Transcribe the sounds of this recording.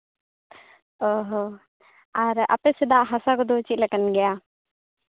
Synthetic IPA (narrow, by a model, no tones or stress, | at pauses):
ɔɦɔ | aɾa̰pɛsɛd̪aʔɦasakɔd̪ot͡ʃilɛkənɡɛja